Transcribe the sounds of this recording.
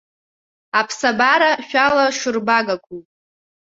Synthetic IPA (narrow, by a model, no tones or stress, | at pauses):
apʰsabaɾaʃᶣalaʃʊrbaɡakʷʰʼu